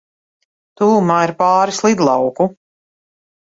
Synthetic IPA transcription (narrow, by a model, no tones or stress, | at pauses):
t̪uːmaːiɾpaːɾislˠid̪lˠɑwku